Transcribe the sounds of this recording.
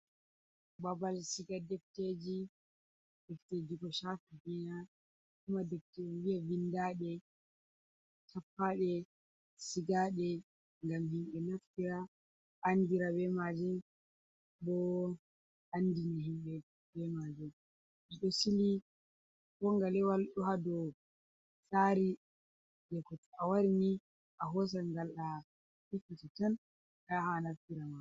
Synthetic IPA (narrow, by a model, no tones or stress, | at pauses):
babalsiɡadɛfted͡ʒi | d̥ɛfted͡ʒikɔʃatuɡina | kumadɛftewiavindaːɗɛ | tʰapːaɗɛ | siɡaɗɛ | ŋɡamɦimɓɛnaftiɾa | ʔanːdiɾabɛmad͡ʒɛ | bɔ | andiniɦimɓɛ | bɛmad͡ʒɛ | ʔiɗɔsili | kɔŋɡalɛwalɗuhadɔ | saɾi | d͡ʒɛkɔtawaɾini | ʔaɦɔs̬aŋɡalːa | hikːatɛtan | kahanaftiɾama